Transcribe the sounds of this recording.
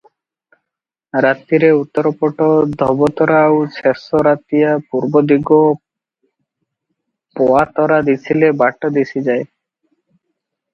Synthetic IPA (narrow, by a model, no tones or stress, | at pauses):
ɾat̪iɾeut̪ːɔɾɔpɔʈɔd̪ʱɔbɔt̪ɔɾaːwt͡ʃʰesɔɾat̪ijapuɾbɔd̪iɡɔ | pɔat̪ɔɾad̪it͡ʃʰilebaʈɔd̪isʰid͡ʒae